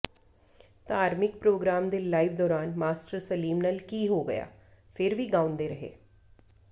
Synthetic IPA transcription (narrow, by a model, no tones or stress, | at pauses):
t̪ãaːɾmɪk̚pɾoːɡɾaːmd̪eːlaːɪʋd̪ɔːɾaːnmaːsʈəɾsəliːmnəlkiːɦoːɡəja̰ː | pʰɪɾʋiːɡãːʊ̃nd̪eːɾəɦḛː